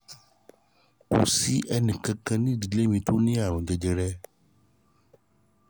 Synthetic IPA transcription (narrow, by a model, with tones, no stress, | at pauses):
ko̰˨si˦ʔɛ˧nĩ˨kã˧kã˧nĩ˦˨di˨le˦mĩ˧to˦nĩ˦a˦˨ɾ̃ɔ̃˨d͡ʒɛ˨d͡ʒɛ˧ɾɛ˦